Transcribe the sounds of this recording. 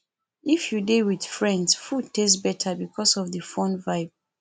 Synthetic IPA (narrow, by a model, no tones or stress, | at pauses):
ifjudiwid̥fɹɛ̃ndsfud̚tesbɛtʰəbikʰɔsɔvðəfɔ̃nvaɪb̥̚